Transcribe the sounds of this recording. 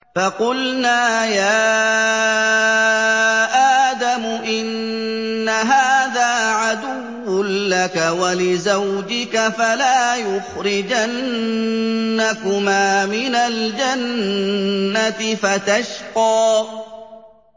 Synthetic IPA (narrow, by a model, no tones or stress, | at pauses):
fɑqʊlnaːjaː | ʔaːd̪amʊʔɪnː | aɦaːðaːʕad̪ʊwːʊnlakawalɪzawd͡ʒɪkafalaːjʊxɾɪd͡ʒannː | akʊmaːmɪnald͡ʒanː | at̪ɪfat̪aʃqɑː